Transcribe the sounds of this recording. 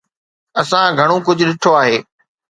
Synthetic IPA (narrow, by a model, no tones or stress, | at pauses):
ɐsãɡʱɐɽ̃okʊd͡ʑʱʊɗɪʈʰoaːɦeː